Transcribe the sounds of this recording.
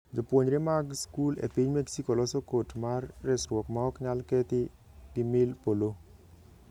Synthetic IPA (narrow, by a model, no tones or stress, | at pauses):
d͡ʒopwoɲɾɪmaɡskulḛpiɲmeksikolɔsɔkotmarːɛsɾwɔkmaɔkɲalkɛt̪ɪ | ɡɪmɪlpolo